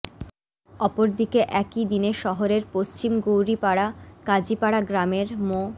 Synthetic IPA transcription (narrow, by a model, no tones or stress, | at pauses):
ɔpoɾd̪ikeʔɛkid̪ineʃɔɦoɾeɾpost͡ɕimɡowɾipaɽakad͡ʑipaɽaɡɾameɾmo